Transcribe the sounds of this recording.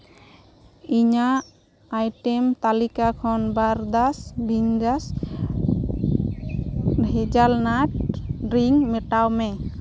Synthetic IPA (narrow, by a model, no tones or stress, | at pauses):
iɲaː | jʈɛmt̪alikakʰɔnbaɾd̪asbiɲdas | hɛd͡ʒalnaʈ̚ɾiŋmɛʈawmɛ